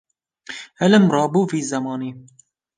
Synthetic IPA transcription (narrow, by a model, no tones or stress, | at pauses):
hɛlɨmrˤɑːbuːviːzɛmɑːniː